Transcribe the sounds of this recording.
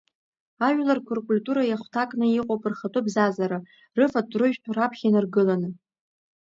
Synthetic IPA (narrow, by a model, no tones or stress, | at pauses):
aʒᶣlarkʷʰurkʼulʲtʼuɾajaχʷtʰakʼnɨiqʼopʼɨrχatʼubzazaɾa | rɨfatʰʼrɨʒᶣtʰarapʰχʲinɨrɡɨlanɨ